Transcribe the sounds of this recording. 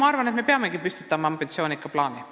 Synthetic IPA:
ɑɑrvɑnet̪me̞peɑme̞ɡipysʲt̪i̥t̪ːˑɑmɑɑmbit̪sio̞ːnikːɑplɑːni

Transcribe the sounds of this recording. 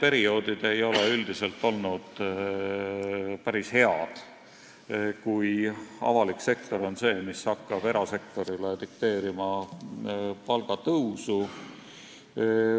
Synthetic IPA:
pe̞ɾio̞ːd̪̥id̪̥e̞jo̞le̞yld̪̥ise̞lt̪ːˑo̞lnud̪̥ | pæɾishe̞ɑd̪̥ | kujɑ̰vɑlikse̞kt̪o̞ɾo̞nse̞ːmisɑkːˑɑb̥e̞ɾɑse̞kt̪o̞ɾilet̪ikt̪e̞ːɾimɑ | pɑlɡ̥ɑt̪ɤwsu

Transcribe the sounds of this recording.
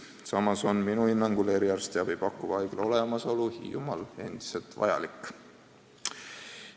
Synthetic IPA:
sɑmɑso̞nminuhinːɑŋɡ̥ule̞ɾiɑrst̪eɑbib̥ɑkːˑuvɑjɡ̥lo̞le̞mɑso̞luhḭjumɑle̞nd̪̥i̥se̞lt̪vɑ̰jɑ̰likːˑ

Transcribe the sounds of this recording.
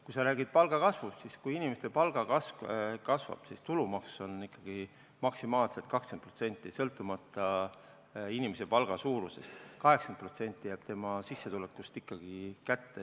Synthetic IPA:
kujsɑɾæːɡ̥id̪̥̚pɑlɡ̥ɑkɑsvust̪siskujinimest̪epɑlɡ̥ɑkɑskɑsvɑ̰b̥sist̪ulumɑkso̞nikˑːɑɡ̥i | mɑksimɑːlset̪ˑkɑkskenprot̪se̞nʲt̪ːˑisɤlt̪ˑːumɑt̪ːˑɑ | inimese̞pɑlɡ̥ɑsuːɾuse̞st̪kɑɦe̞ksɑnpro̞t̪se̞nʲt̪ːˑijæːb̥t̪e̞mɑsisːe̞t̪ulekːˑust̪ikˑːɑɡ̥ikæt̪ːe

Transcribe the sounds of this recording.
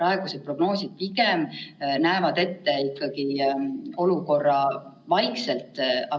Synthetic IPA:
ɑeɡ̥uset̪̚pro̞ɡ̥no̞ːsid̪̚piɡemnæevɑd̪̥e̞t̪ːe̞ikːɑɡ̥i | o̞luko̞rːɑ | vɑjkselt̪ˑɑ

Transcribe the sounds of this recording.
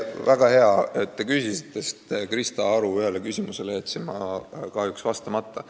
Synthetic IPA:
væɡ̥ɑhe̞ɑet̪ːe̞kyjsisit̪ːˑe̞st̪krist̪ɑɑɾuyelekysʲimuse̞leet̪simɑkɑhjuksvɑst̪ɑmɑt̪ːˑɑ

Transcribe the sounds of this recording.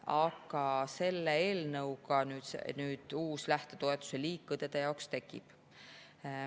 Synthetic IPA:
ɑɡɑse̞lːeeːlnɤwkɑnyːd̪̥sḛnyːd̪̥uːslæht̪et̪o̞e̞t̪ːˑu̥se̞liːkːˑud̪̥ed̪̥e̞jɑowkst̪e̞kːˑḭb̥

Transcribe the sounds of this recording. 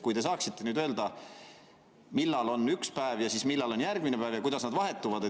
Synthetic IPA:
kujd̪̥e̞sɑːksit̪ːe̞nyːd̪øld̪̥ɑ | milːɑlo̞nːykspæevjɑsiːsmilːɑlo̞njærɡ̥minepæːvjɑkujd̪̥ɑsnɑd̪vɑɦe̞t̪ːuvɑd̪e

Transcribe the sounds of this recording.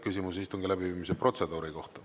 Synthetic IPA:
kysʲimusist̪oŋɡ̥ilæbiviːmisepro̞t̪se̞d̪uːɾiko̞ht̪ɑ̥

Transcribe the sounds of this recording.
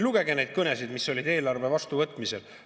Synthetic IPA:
luɡ̥e̞ɡe̞ne̞jd̪̥̚kɤne̞sid̪miso̞lʲid̪e̞ːlɑrve̞vɑst̪uvɤt̪ːˑmise̞l

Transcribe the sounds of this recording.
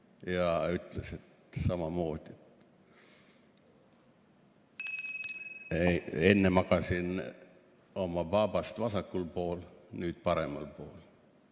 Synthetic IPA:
jɑyt̪ːleset̪ | sɑmɑmoːd̪̥ʲet̪ | eenːemɑkɑsin | omɑpɑbɑst̪ʋɑsɑkːulpoːlnyːt̪pɑɾemːɑ̰lpoːl

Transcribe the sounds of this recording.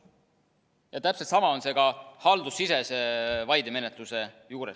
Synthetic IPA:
jɑt̪æpselt̪sɑmɑo̞nse̞ɡɑhɑld̪usːise̞sevɑjd̪eme̞net̪luse̞ | juːɾes

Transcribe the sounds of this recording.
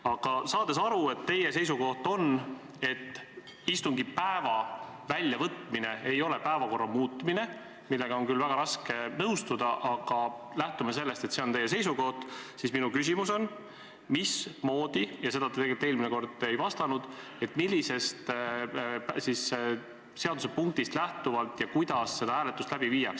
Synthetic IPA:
ɑɡ̥ɑsɑːd̪̥e̞sɑɾue̞t̪ːe̞jese̞jsuko̞ht̪o̞n | e̞t̪ː | ist̪uŋɡipæevɑ | vælʲːjɑvɤt̪ˑmine̞e̞jo̞le̞pæevɑko̞rːɑmuːt̪ːˑmine̞ | milːe̞ɡ̥ɑo̞nkylvæɡ̥ɑɾɑskenɤwst̪ud̪̥ɑʔɑɡ̥ɑ | læht̪umes̬e̞lːe̞st̪e̞t̪se̞ont̪e̞je̞se̞jsuko̞ht̪sisminukys̬imuso̞n | mismo̞ːd̪̥ijɑse̞d̪ɑt̪et̪eɡelit̪eːlmineko̞rd̪e̞jvɑst̪ɑnud̪̥ | e̞t̪ːˑmilʲːise̞st̪ | psis | se̞ɑd̪use̞puŋk̚t̪ist̪læht̪uvɑlt̪jɑkujd̪̥ɑsːe̞d̪ɑæːle̞t̪ːust̪læb̥iviːjɑks

